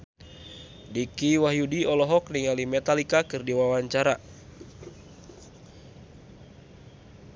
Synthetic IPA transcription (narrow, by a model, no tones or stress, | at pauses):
dikiwaɦjudiɔlɔɦɔk̚niŋalimɛt̪alikakɨrdiwawaɲt͡ʃaɾa